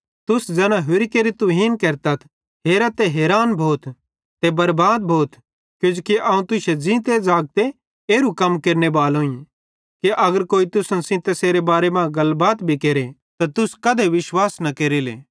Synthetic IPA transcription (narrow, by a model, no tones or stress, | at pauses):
t̪ʊsd͡zɛːnãɦʊɾikeːɾit̪ʊɦiːnkeːɾt̪at̪ʰ | ɦeːɾat̪eɦeːɾaːnbʱoːt̪ | t̪ebɐɾbaːd̪bʱoːt̪ | kjʊ̃d͡ʒukiʔaːũt̪ʊsed͡ʒĩt̪ed͡zaːɡ̚t̪e | eːɾukɐmkeːɾnebaːlõːĩ | kiʔɐɡəɾkoːit̪ʊsənsɪ̃t̪eseːɾebaːɾemãɡɐlbaːt̪bʱikeːɾe | t̪at̪ʊskɐd̪eʋɪʃwaːsnɐkeːɾilḛː